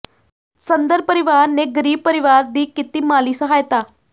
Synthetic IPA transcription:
sənd̪əɾpəɾɪʋaːɾneːɡəɾiːb̚pəɾɪʋaːɾd̪iːkɪt̪iːmaːliːsəɦaːjt̪aː

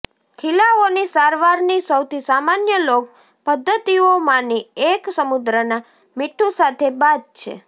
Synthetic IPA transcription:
kʰilaonisaɾʋaɾnisəwt̪ʰisamanjəlok̚ | pəd̪ʱːət̪iomãnieksəmud̪ɾəna | miʈʰũsat̪ʰebad̪̚t͡ʃʰḛ

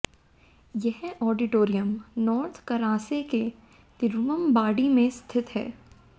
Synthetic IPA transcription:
jɛɦɔːɖɪʈoːɾijəmnɔːɾt̪ʰkɐɾaːseke | t̪ɪɾməmbaːɖimẽst̪ʰɪt̪ɦɛ̰ː

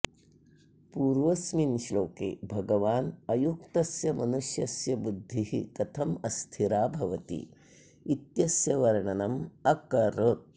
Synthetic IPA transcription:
puːɾʋɐsminʃloːkḛːbʱɐɡɐʋaːnɐjuk̚t̪ɐsjɐmɐnuʃjɐsjɐbud̪ʱːiḭkɐt̪ʰɐmɐst̪ʰiɾaːbʱɐʋɐt̪ḭ | it̪jɐsjɐʋɐɾɳɐnɐmɐkɐɾo

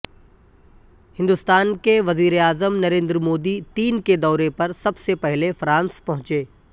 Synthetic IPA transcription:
hɪ̃nd̪ʊst̪aːnkeʋɐziːɾeaːzəmnɐɾẽːnd̪ɾmoːd̪it̪iːnked̪ɔːɾepɐɾsɐbsepɛɦlefɾãːnspɐɦʊ̃t͡ʃeː

